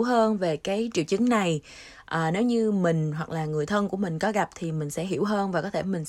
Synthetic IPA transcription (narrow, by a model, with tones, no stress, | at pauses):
wɦəː˧nve˨˩kaː˨˦jt͡ɕi˧˨əwt͡ɕɨ˨˦ŋna˨˩j | ʔaː˨˩ne˨˦wɲɨ˧mï˨˩ŋ̟ɦwa˨˩k̚laː˨˩ŋɨ˨˩əjt̪ʰə˧nku˧˩əmï˨˩ŋ̟kɔ˨˦ɣa˨˩p̚t̪ʰi˨˩mï˨˩ŋ̟sɛ̰˧˥ɦi˧˩əwɦəː˧nvaː˨˩kɔ˨˦t̪ʰe˧˩mï˨˩ŋ̟s